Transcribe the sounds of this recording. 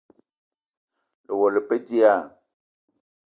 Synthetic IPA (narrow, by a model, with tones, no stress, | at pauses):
le˨wɔ˨le˨pe˦d͡ʒi˦a˦˨